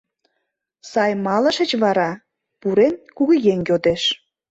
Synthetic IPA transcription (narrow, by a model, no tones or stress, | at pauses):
sɑjmɑlə̆ʃə̆t͡ɕβɑɾɑ | puɾenkuɣujeŋjʲod̪eʃ